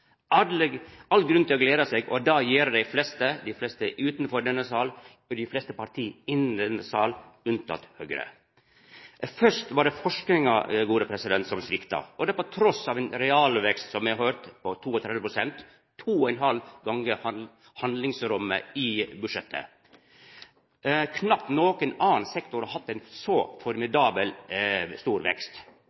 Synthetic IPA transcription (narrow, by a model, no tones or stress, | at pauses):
ɑɑlɡɾʉnt̪ʰɪlɔɡleːɾɑseːɡɔd̪ɑjiːɾd̪æɪflɛst̪əd̪æɪflɛst̪əʔʉːt̪nfɔɾɖɛnːəsɑːl | ɔd̪ɪflɛst̪əpɑɾt̪ʰiːɪnːnd̪ɛnːəsɑːlʉnt̪ʰɑ̰t̪høɡɾə̰ | fœʂt̪ʋɑɖɛfɔʂknɪŋɑ̰ɛɡuːɾəpʰɾɛsɪd̪ɛnt̪sɔmsʋɪkt̪ɑ̰ɔd̪ɛpɔt̪ʰɾɔsɑːʋɛnɾɛɑːlʋɛkst̪sɔmʋɪhɑɾhøːɾt̪pʰɔt̪ʰuːɔt̪ʰɾɛd̪ʋəpʰɾʊsɛnt̪ʰː | uːɔɛnɦɑlɡɑŋːəh | hɑnd̪lɪŋsɾʊmːə̰ɪbʉʂɛt̪ʰːə̰ | kʰnɑp̚t̪noːkənɑːnnsɛkt̪ʊɾɔhɑt̪ːɛɪnsɔfɔɾmɪd̪ɑːbəlst̪uːɾʋɛ̰kst̪